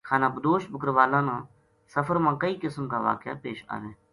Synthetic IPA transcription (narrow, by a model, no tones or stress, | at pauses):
kʰaːnãːbəd̪oːʃbəkəɾʋaːlãːnãː | səfʰəɾmãːkəiːkɪsmkaːʋa̰ːkja̰ːpeːʃa̰ːneː